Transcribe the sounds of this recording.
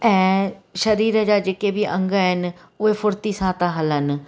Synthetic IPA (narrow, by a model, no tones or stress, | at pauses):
ɛ̃ːʃəɾiːɾəːd͡ʒaːd͡ʒkeːbiːʔə̰̃ŋɡaɦɪn | ʊeːpʰʊɾt̪iːsãːt̪ãːɦələn